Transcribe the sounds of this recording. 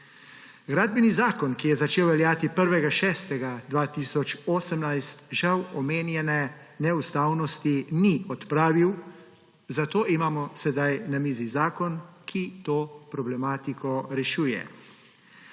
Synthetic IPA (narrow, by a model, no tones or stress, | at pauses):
ɡɾaːd̪̚bɛnizaːkɔnkijɛzat͡ʃeːwʋɛljaːt̪ipəɾʋɛɡaʃɛːst̪ɛɡad̪ʋaːt̪isɔt͡ʃoːsəmnajst̪ʒawɔmeːnjɛnɛ | nɛust̪aːwnɔst̪iniɔt̪pɾaːʋiw | zat̪oːʔimaːmɔsɛd̪ajnamiːzizaːkɔnkʰit̪oːpɾɔblɛmaːt̪ikʰɔɾɛʃuːjɛ̰